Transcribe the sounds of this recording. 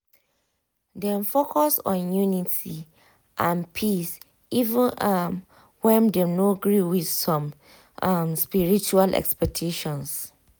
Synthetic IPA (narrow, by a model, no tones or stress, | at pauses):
dɛ̃nfokʰɔsɔ̰̃njunitʰi | ʔãnpʰis | ivə̃nam | wɛ̃ndenoɡɹiwið̥sɔ̃m | amspiɹit͡ʃualʔɛ̰kspɛk̚tʰeʃɔ̃ns